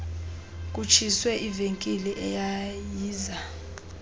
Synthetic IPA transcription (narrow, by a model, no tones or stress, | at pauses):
k̬ʼut͡ʃʰiswɛʔiveŋkʼiliʔɛjajiːza